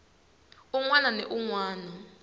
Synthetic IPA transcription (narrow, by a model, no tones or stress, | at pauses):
uŋwananɛʔuŋwaːnɔ